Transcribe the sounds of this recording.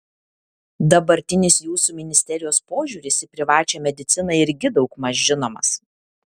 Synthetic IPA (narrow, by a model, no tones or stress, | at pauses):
d̪ɐbɐɾʲt̪ʲɪnʲɪsjuːsuːmʲɪnʲɪsʲt̪ʲɛɾʲɪjoːspoːʒʲuːɾʲɪsʲɪpʲɾʲɪʋɑːt͡ʃʲɛmʲɛd̪ʲɪt̪sʲɪnɐɪɪɾʲɡʲɪd̪ɒʊkmɐʒʲʒʲɪnoːmɐ̰s